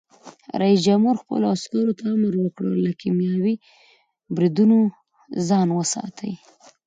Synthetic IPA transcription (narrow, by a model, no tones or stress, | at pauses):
ɾaisd͡ʒamhuɾxpə̰loaskɑɾot̪aamɾwəkɽə̰lakimjɑwi | bɾid̪uno | zɑnwəsɑ̰t̪ʰə̰j